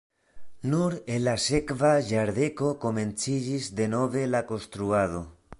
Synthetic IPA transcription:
nuɾelasekβaʝaɾðekokomẽnt͡siʎizd̪enoβelakost̪ɾuað̞o

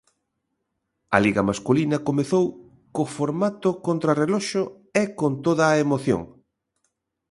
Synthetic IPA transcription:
ɐ̰liɣɐmaskulinɐkomeθow | kofoɾmat̪ʊkont̪ɾɐrelɔʃo | ekont̪oðɐːemoθjo̰ŋ

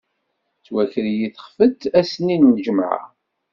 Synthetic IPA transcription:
t͡sːwæçəɾjiθχfət͡sːæsninːəd͡ʒəmʕa̰

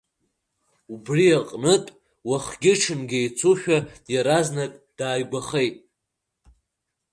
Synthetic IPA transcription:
ubriaqʼnɨtʼ | waχɡʲɪʈ͡ʂʰɨnɡʲejt͡sʰuʃᶣadjaɾaznakʼd̥aːjɡʷaχejtʼ

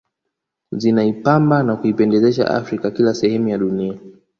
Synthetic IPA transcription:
zinaipambanakuipɛndɛzɛʃa̰ʔa̰fɾikakilasɛhɛmujaɗunia

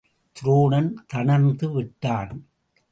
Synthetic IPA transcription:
t̪ɪɾoːɳɐnt̪ɐɳɐnnd̪ɯʋɪʈːaːn

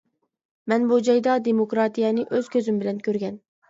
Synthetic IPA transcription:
mɛnbud͡ʒɑjd̪ɑd̪emokɾɑt̪ijɛnɪʔøz̥kʲʰøzymbɪlɛnkʲʰøɾɡʲɛn

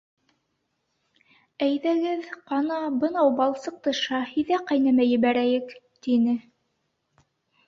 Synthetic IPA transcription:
æjðæɡɘðqɑnɑbɤ̆nɑwbɑlˠsɤq̚t̪ɤʃɑhiðæqɑjnæmæjɘ̆βæɾæjɘk | t̪inɘ

